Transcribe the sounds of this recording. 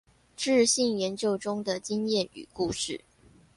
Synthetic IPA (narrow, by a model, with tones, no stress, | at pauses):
ʈ͡ʂɻ̩˥˧ɕi˥˩ŋjɛ˧˥nt͡ɕjo˥˧ʊʈ͡ʂʊ˥ŋd̪ə˨t͡ɕi˥ŋjɛ˥˩ny̰˨˩ku˥˧ʂɻ̩˥˩